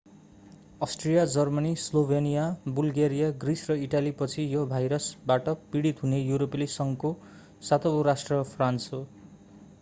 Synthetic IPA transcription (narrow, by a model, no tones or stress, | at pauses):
ʌsʈrijad͡zʌrmʌnislobʱenijabulɡeɾijaɡrisrʌiʈalipʌt͡sʰijobʱajɾʌsbaʈʌpiɽit̪ɦunejuɾoplisʌŋko | sat̪ʌbʌɾasʈrʌpʰranso